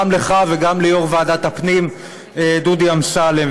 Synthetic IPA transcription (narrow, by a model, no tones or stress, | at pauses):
mleχaveɡamlejoʁvaːdat̪hapnim | ed̪ud̪iamsale